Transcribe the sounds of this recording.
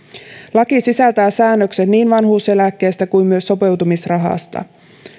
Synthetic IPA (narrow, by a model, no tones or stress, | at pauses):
lɑkisisælt̪æːsæːnːøkse̞nniːnʋɑnɦuːse̞lækːe̞ːst̪ækujmmyø̞sːo̞pe̞wt̪umisrɑɦɑ̰st̪ɑ̰